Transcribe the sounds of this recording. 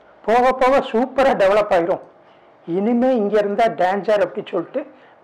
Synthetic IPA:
poːɣɐpːoːɣɐsuːpːɐɾaɖɛʋɐɭɐpːaːɣɪɾõ | ɪnɯmeːɪŋɡeɪɾɯnd̪aːɖaːnd͡ʒaːɾɐpːɐɽisɔɭːɪʈːɯ

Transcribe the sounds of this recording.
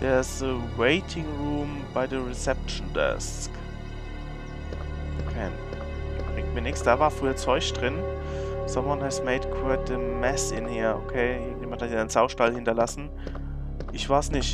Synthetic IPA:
ʔɛːɪsəweɪtʰɪŋʁuːm | baɪdəʁɛsɛp̚t͡ʃn̩dɛ̰s | k | okʰɛ | b̥ʁɪŋ̚t̚miːɐnɪksd̥aːvaːɐfʁ̥yːɐt͡sɔʏçd̥ʁɪn | samwɔnhɛzmeɪdkʰwɛt̚dəmɛsɪnheːɐo̰kʰeːjeːɡjeːmãnthatjiɪnz̥aʊʃtalhɪntɐlasn̩ | ʔɪçv̥aːsnɪçt

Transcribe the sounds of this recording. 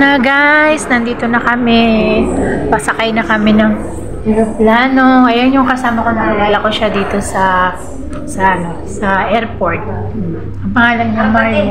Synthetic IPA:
nɐɡajsnɐnd̪iːt̪o̞nɐkɐmɛ | pɐsɐkɐjnɐkɐmɛnɐŋ | ɾoplaːnoʔɐjonjʊŋkɐsaːmɐko̞nɐkɪlaːlɐko̞ʃad̪iːt̪o̞sɐ | sɐʔɐno | sɐʔɛɾpoɹt̪̚ | ɐpɐhalɐɡ̚nɐŋbaɾɪ

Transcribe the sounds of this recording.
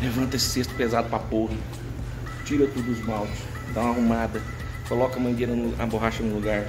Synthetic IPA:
levɐ̃nt̪ɐesɪ̥sest̪ʊ̥pezad̪ʊpɾapoɦɐ | t͡ʃiɾɐt̪ud̪ʊʊzmawt̪ʊ̥s | d̪ãaɦumad̪ɐ | kolɔkɐmɐ̃d̪enɐnɐ̰boɦaʃɐnʊluɡaɾ

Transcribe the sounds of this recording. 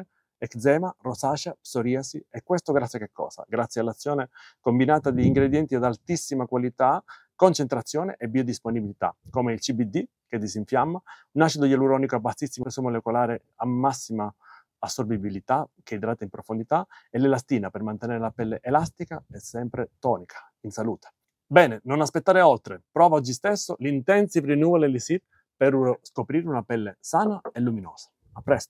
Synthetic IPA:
ɛkd̪zɛːmarosaːʃapsoɾiasiɛkːwest̪oɡɾat̪sjakːekʰːɔ̰ːsa̰ɡɾat̪sjalːat̪sːjɔːnekombinaːt̪ad̪iːŋɡɾed̪jɛnt̪iad̪alt̪isːimakwalit̪a | kont͡ʃent̪ɾat̪sːjɔːnḛʔebːiod̪isponibilit̪a̰komeilt͡ʃibid̪ːi | ked̪ːisiɱfjamːanaʃid̪ojɛluɾɔːnikoabːasːisːimosomolekolaːɾe | amːasːimaː | sːorbibilit̪ak̟eid̪ɾaːt̪aimpɾofond̪it̪aelelast̪iːnapermant̪enɛːɾelapɛlːeʔelast̪ikaɛsːɛmpɾet̪ɔːnikʰḁ | insaluːt̪e̥ | bɛːnenonaspet̪ːaːɾeɔlt̪ɾepɾɔːvaɔd͡ʒist̪esːolint̪ɛnt̪sivɾinuːvolelisi | perskopɾiːɾunapɛlːesaːnaelːuminɔːsḁ | apːɾɛst̪o̥

